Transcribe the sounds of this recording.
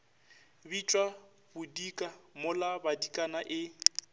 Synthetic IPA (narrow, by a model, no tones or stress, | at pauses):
bit͡ʃʼwa | bʊdikʼamʊlabadikʼanaʔɪ